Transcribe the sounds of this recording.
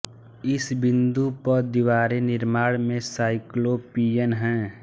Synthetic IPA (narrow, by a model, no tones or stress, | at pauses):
ɪsbɪ̃nd̪upəɾd̪ɪʋaːɾenɪɾmaːɽmẽsaːɪklopiːjənɦɛ̃ː